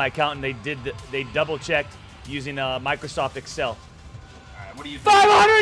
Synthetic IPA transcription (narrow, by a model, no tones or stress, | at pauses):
aɪɨkʰãʊ̃ntn̩ðeɪdɪd̪̚ðeɪdʌbl̩ˠt͡ʃʰɛk̚ | jʉzɪ̃ŋmaɪkɹosɔftɨksɛlˠ | faɪv̥hʌ̃ndə